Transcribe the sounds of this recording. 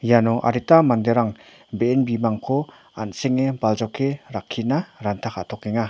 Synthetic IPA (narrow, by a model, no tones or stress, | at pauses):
janɔʔa̰ɾitamand̪eɾaŋ | beːnbimaŋkʰɔ | a̰nseŋebalzawkʰeɾakʰːinaɾantʰakʰaʔtʰɔkːeŋa